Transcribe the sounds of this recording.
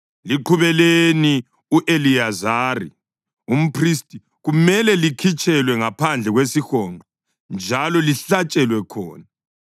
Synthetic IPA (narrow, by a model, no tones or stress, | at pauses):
liǃʰuβɛleni | uʔeliazaːrḭ | um̩pʰristʼi | ɣumɛlɛlikʰit͡ʃʰʼɛlwɛŋapʰand͡ɮʱɛɣwesixɔːŋ͡ǃʱɔ | nd͡ʒʱalɔliɬat͡ʃʼɛlwɛkʰɔːna